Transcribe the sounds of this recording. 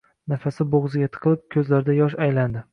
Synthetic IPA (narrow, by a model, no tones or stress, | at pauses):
nafasɪboʁzɪɡʲat̪ʰqʰɨlˠɪp̚kʲʰɵzlaɾɪd̪ajɒʃajland̪ɪ